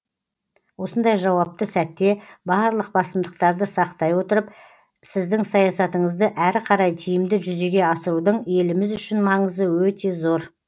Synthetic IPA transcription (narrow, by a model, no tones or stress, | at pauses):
wo̞sənd̪ɑjʒɑwɑp̚t̪əsæt̪ːe̞bɑɾlˠəq̚bɑsəmd̪əq̚t̪ɑɾd̪əsɑqt̪ɑjwo̞t̪əɾəp̚ | sɪzd̪ɪŋsɑjɑsɑt̪əɴəzd̪əʔæɾqʰɑɾɑjt̪ʰijɪmd̪ɪʒʏze̞ɡʲe̞ɑsəɾud̪əɴe̞lɪmɪzʏʃɪnmɑɴəzəwɵt̪e̞zo̞ɾ